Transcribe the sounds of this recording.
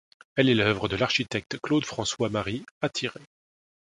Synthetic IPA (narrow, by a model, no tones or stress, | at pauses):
ɛlɛlœvʁəd̪əlaʁʃit̪ɛk̚t̪klod̪fχɑ̃swamaʁiat̪ʰiʁe